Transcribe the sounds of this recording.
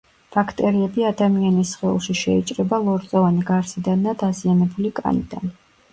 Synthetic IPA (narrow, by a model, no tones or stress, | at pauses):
b̥akʰt̪ʼɛɾiɛbiad̪amianisχɛṵlˠʃiʃɛit͡ʃʼɾɛbalˠɔɾt̪sʼɔvaniɡaɾsid̪anːad̪azianɛbulikʼa̰nḭd̪a̰n